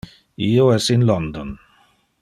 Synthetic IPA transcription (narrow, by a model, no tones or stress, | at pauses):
ioɛsɪnlɔnd̪ɔn